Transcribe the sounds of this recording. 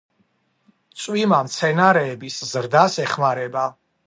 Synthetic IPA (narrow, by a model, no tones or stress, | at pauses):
t̪sʼwimamt̪sʰɛnaɾɛːbiszɾd̪asɛχmaɾɛba